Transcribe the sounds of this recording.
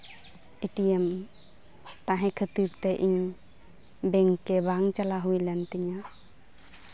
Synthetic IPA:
iʈiɛm | t̪aɦɛ̃kʰət̪iɾt̪ɛʔiɲ | bɛŋːɛbaŋt͡ʃalaɦujlɛnt̪iɲa

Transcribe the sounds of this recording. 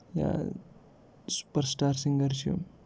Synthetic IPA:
ja̰ | su̥pəɾsʈaːɾsiŋɡəɾt͡ʃʰio̰

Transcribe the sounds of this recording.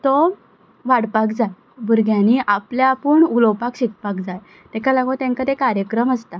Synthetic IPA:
t̪ɔ | ʋaɽpakd͡zaj | buɾɡjãniʔapljaːpəɳulɔpakɕik̚pakd͡zaj | t̪ekʰalaɡot̪ãŋkat̪ekaɾjəkɾəməst̪a

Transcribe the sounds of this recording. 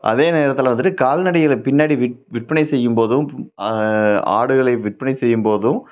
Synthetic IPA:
ʔɐ̰ðeːneːɾɐt̪ːɪlʋɐnd̪ɯʈːɯkaːlnɐɽɐjɪlpɪnːaːɽiʋɪʋɪʈ̚pɐnɐɪsɛjːɯmpoːðɯ̃m | a̰ːɽɯɣɐɭɐɪʋɪʈ̚pɐnɐɪsɛjːɯmpoːðɯ̃

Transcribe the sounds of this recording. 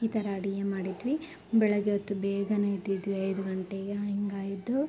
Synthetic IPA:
it̪ɐɾaːɽijemaːɽid̪ʋi | bɛɭɐɡeot̪ːubɛːɡɐnɐid̪id̪ʋiɐjd̪uɡɐɳʈeɡeiŋɡaːjid̪ːu

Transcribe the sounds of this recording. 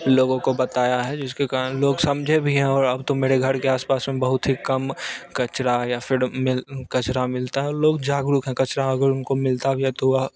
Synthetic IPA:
loːɡõkobɐt̪aːjaɦɛd͡ʒɪskekaːɾənloːɡsɐmd͡ʒʱebʱiɦɛ̃ɔːɾɐbt̪omeːɾeɡʱɐɾkeaːspaːsmẽbɐɦʊt̪ɦikɐmkɐt͡ʃɾajafʰɪɾmɪlkɐt͡ʃɾamɪlt̪aɦɛɔːɾloːɡd͡ʒaːɡɾʊkɦɛ̃kɐt͡ʃɾaɐɡəɾʊnkomɪlt̪aɛbʱiɛt̪oa

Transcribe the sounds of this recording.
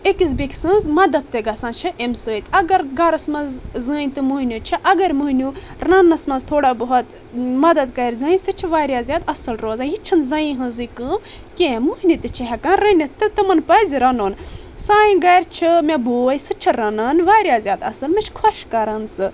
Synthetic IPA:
ekiz̬bikʰʲsɨ̃nzmɐd̪ɐd̪t̪ːeɡɐsãːnt͡ʃʰiʔemsəːit̪ɐɡɐɾɡɐɾɐsmɐzzɨnʲt̪ɨmuɦnʲut͡ʃʰiʔɐɡɐɾmuɦnʲu | rɐnɐsmɐnzt̪ʰoːɽabɐɦut̪ | mɐd̪ɐd̪kɐɾʲzɐ̃ĩsɨt͡ʃʰiʋaːɾʲjaːzʲjaːd̪ɐsɨlɾoːzãːjit͡ʃʰɐnzɐĩɦɨ̃zɨkɨm | kʲẽːmuɦnʲit̪ɨt͡ʃʰiɦɐkanɾɐnʲit̪ɨt̪ɨmɐnpɐziɾɐnoːn | saːjĩɡɐjɾt͡ʃʰimʲeboːjsɨt͡ʃʰiɾɐnɐnʋaːɾjaːzʲjaːd̪ɐsɨlmʲɐt͡ʃʰkʰoʃkɐɾɐnsɨ

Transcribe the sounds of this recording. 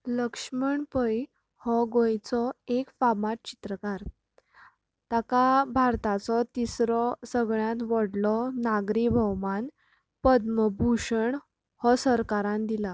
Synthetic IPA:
ləkʂməɳpəj | hɔɡojt͡sɔekfamaʈ̚t͡ɕi̥t̪ɾəkaɾ | t̪akabʱaɾt̪at͡sɔt̪isɾɔsəɡɭjãt̪ʋəɽlɔnaɡɾibʱəwman | pəd̪məbʱuʂəɳ | hɔsəɾkaɾãnd̪ila

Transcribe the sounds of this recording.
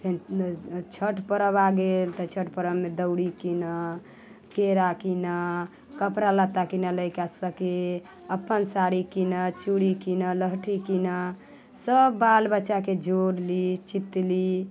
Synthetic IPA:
pʰenit͡ʃʰəʈʰpəɾəbaɡelt̪ət͡ʃʰəʈpəɾəbmed̪əʊɽikinə | keɾakinə | kəpɾalət̪ːakinaləjkasəke | əpːənsaɾikinət͡ʃuɽikinələɦʈʰikinə | səbːalbəːʃaked͡ʒʱoɾlit͡ʃit̪ːli

